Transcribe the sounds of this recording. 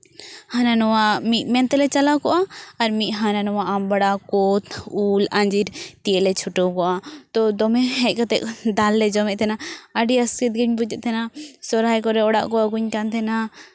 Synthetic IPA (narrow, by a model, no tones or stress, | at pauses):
hananɔwamiʔmɛnt̪ɛlɛt͡ʃɐlakɔʔaɐɾmiʔɦananɔwaʔambɐɽakɔt̪ulaɲd͡ʒiɾt̪iɛʔlɛt͡ʃʰuʈɔkɔʔat̪ɔd̪ɔmɛɦɛʔkat̪ɛ̰ʔd̪alːɛd͡ʒɔmɛʔt̪ʰɛnaɐɖiɐskit̪̚ɡiɲbud͡ʒɛʔt̪ʰɛnasɔɾajkɔɾɛɔɽa̰ʔkɔaɡuɲkant̪ʰɛna